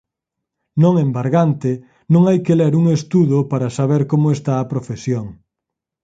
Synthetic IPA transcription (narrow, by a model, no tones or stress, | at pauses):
nõŋembaɾɣant̪e | nõŋajkeleɾuŋest̪uðʊpaɾɐsaβeɾkomʊest̪aːpɾofesjoŋ